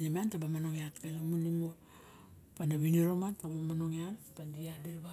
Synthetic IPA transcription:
nimantabamano̞ŋeatkanamunimo | panaβiniɾomatabomanoŋeatpandiadiɾba

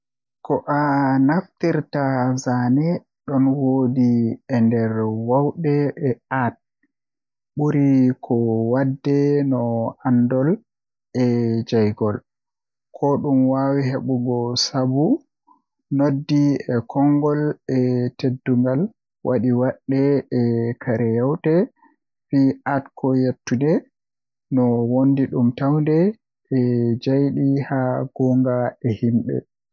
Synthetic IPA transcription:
kɔʔanaftiɾtazanɛ | ɗɔnwodiɛndɛɾwawɗɛʔɛat̚ | ɓuɾikʰɔwadːɛnɔandɔl | ʔɛd͡ʒajɡɔl | kʰɔɗumwawiɦeɓuɡɔsabu | nodːiɛkʰɔŋɡɔlɛtedːuŋɡal | wʔaɗiwaɗːɛɛkʰaɾɛjawtɛ | fiʔatkʰɔjetːundɛ | nɔwondiɗumtawndɛ | ʔɛd͡ʒajɗihaɡ̥ɔŋɡaɛhimɓɛ̰

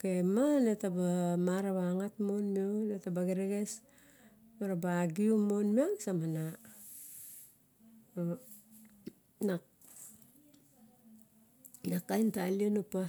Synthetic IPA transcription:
kemanetabamaɾaβaŋatmonmionetabaɡeɾeɡes | maɾabaːɡiumonmiaksamana | na | nakajntalionupa

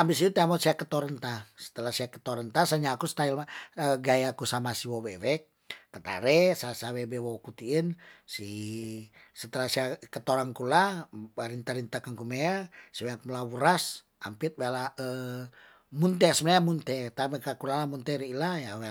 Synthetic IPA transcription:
abis̬it̪ut̪aamɔt̪siakət̪oɾənt̪asə̥t̪əlasiakə̥t̪oɾənt̪asaɲakust̪ailaəɡajakusamasiwowewɛk̚ː | ət̪a̰ɾɛsasawebewokut̪iːnsi | sət̪əlasiakət̪oɾaŋkulabaɾint̪aɾint̪akankumeasiweak̚mlawuɾas | a̰mpit̪̚wealaə | munt̪ɛsəmənajamunt̪ɛt̪amekakulalamunt̪ɛɾiːlajawe

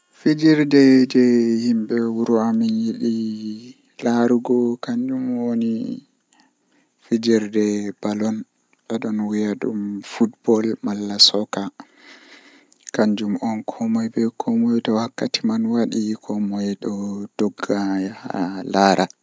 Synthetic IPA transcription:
fid͡ʒiɾdɛd͡ʒɛhimɓɛwuɾuaminjiɗi | laɾuɡɔkaɲd͡ʒumwoni | fid͡ʒiɾdɛbalɔn | ɓɛɗɔnwijaɗṵmfutbɔlmalːasɔka | kaɲd͡ʒumɔnkʰɔmɔjbɛkʰɔmɔjtɔwakːatimanwaɗikʰɔmɔjɗɔd̥ɔɡːajha̰laɾʔa

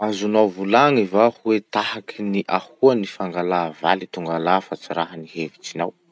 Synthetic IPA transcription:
azunawvulaŋivahuwet̪ahakʰiniʔahuanifaŋɡalava̰lit̪uŋɡalafat͡siɾaɦənihevit͡ʃinaw

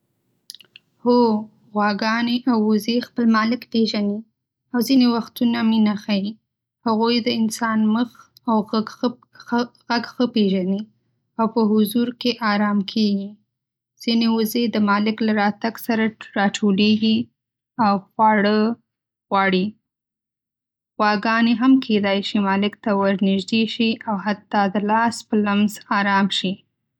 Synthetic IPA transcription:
ho | ɣwaɡɑneʔawʊzexpəlmɑlɪkpeʒani | awzinewaxt̪unaminaxaji | haɣujd̪əɪnsɑnməx | aw | ɣaɡxəpeʒani | awpəɦʊzuɾkeʔɑɾɑmkʰeɡi | z̥inewʊzed̪əmɑlɪklaɾɑt̪aɡsaɾaɾɑʈʰoleɡi | awxwɑɽə | ɣwɑɽi | ɣwɑɡɑneɦamkʰed̪ɑjʃimɑlɪkt̪awaɾnɪʒd̪eʃiʔawɦat̪ːɑd̪əlɑspəlamzɑɾɑmʃi

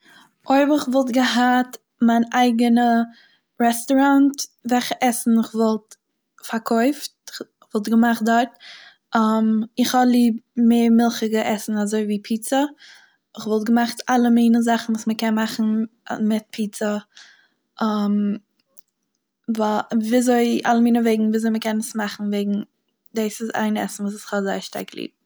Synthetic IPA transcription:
oɪbɪχvɔlˠtɡəɦat | maɪnaɪɡənə | ɾɛstɔɾantvɛχəʔɛsn̩ɪχvɔlˠt | faɾkʰɔɪft̚ɪχ | χvɔlˠtɡəmaχt̚dɔɾt̚ | amɪχhɔblˠiːbmeːɾmɪlˠχəɡəʔɛsn̩azoɪviːpʰiːt͡sə | ɪχvɔlˠtɡəmaχtalˠəmiːnəzaχn̩vuːsməkɛnmaχn̩̰mɪt̚pʰiːt͡sə | am | vaviːazoɪa̰lˠəmiːnəveɪɡŋ̩viːazoɪməkɛnəsmaχn̩veɪɡŋ̩ | deːsɪza̰ɪnɛ̰sn̩vuːsɪχhɔzaɪʃta̰ɾklˠḭːb̚

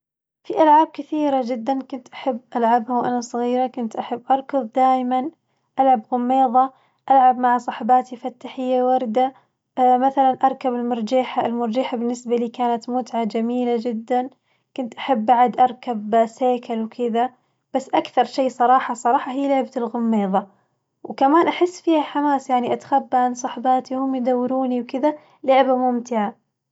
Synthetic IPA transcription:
fiʔalʕaːb̚kɪθiːɾad͡ʒɪd̪ːankʊnt̪ʔḁħabːʔalʕabhawʔa̰nasˤɨɣiːɾakʊnt̪ʔaħabːʔɑɾˤkʊðˤd̪aːjman | ʔalʕabɣʊmːeːðˤɑ | ʔalʕabmaʕsˤɑħbaːt̪ifat̪ːaħɪjːawɑɾˤd̪a | maθalanʔɑɾˤkabɪlmʊɾˤd͡ʒaːħaɪlmʊɾˤd͡ʒaːħabɪnːɪsbaliːkaːnat̪mʊt̪ʕad͡ʒamiːlad͡ʒɪd̪ːan | kʊnt̪ʔaħabːaʕad̪ʔɑɾˤkabseːkalwkʰɪða | b̥asːʔakθɑɾˤʃeːsˤɑɾˤɑːħɑsˤɑɾˤɑːħɑɦiːlʊʕbat̪ɪlɣʊmːeːðˤɑ | wkamaːnʔaħɪsːfiːhaħamaːsjaʕniʔat̪xabːaʕansˤɑħbaːt̪ihʊmːjɪd̪awːɪɾuːniwkɪða | lʊʕbamʊmt̪ɪʕa

